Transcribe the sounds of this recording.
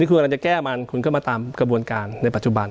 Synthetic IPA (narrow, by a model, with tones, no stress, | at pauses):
nʰiː˥˩knkːŋt͡ɕa˨˩kɛː˥˩ma˧nkʰu˧nkʰɔ˥˩maː˧t̪aː˧mkɾa˧bu˧ənkaː˧nːa˧jpa˨˩t̪̚t͡ɕu˨˩ba˧n